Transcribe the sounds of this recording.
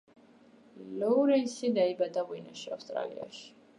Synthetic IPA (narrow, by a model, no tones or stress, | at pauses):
lɔuɾɛnsid̪aibad̪awinaʃafst̪ʼɾa̰lḭa̰ʃi̥